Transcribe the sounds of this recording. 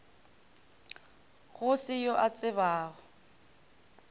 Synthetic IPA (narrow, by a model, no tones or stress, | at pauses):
ɣʊsɪjɔʔat͡sʼɪβaːɣɔ